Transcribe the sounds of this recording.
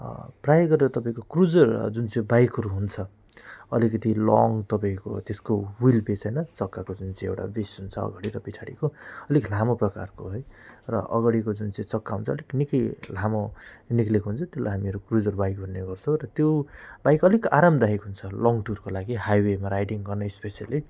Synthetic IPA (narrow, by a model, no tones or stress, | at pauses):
prajɡʌɾeɾot̪ʌpaĩkokrud͡zʌrd͡zunt͡sĩbajkɦʌɾuɦunt͡sʰʌ | ʌ̰likʌt̪ilɔŋt̪ʌpaĩko̰t̪eskowilpet͡sʰʌjnʌt͡sʌkːakod͡zunt͡sʌĩewʈa̰besɦunt͡sʰʌ̰ːɡʌɽiɾʌpit͡sʰaɽikoʌliklʱamoprʌkarkoɦʌjrʌ̰ʔʌ̰ɡʌɽikod͡zunt͡sʌĩt͡sʌkːaɦunt͡sʰʌliknikʌjl̤amoniklekɦunt͡sʰʌt̪jola̰jɦamiʌɾukrud͡zʌrbajkɦunːeɡʌrt͡sʰõɾʌt̪jobajkʌlikaɾamd̪aɦikɦunt͡sʰʌlɔŋɡʈurkolaɡiɦajwemaɾajʈiŋɡʌrnʌespesijali